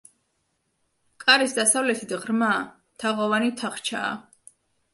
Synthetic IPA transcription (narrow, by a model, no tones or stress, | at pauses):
kʼaɾisd̪asavlɛt̪ʰid̪ʁɾma | t̪ʰaʁɔvanit̪ʰaχt͡ʃʰa̰ː